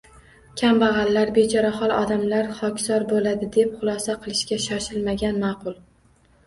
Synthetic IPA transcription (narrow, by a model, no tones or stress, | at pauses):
kʲʰambaʁɑlːaɾbed͡ʒɒɾaχɒlˠɒd̪amlaɾχɒkʲsɒɾbolad̪ɪd̪e̞pχʊlˠɒsaqʰɨlˠɪʃkʲaʃɒʃɪlmaɡʲanmɑːqʰʊlˠ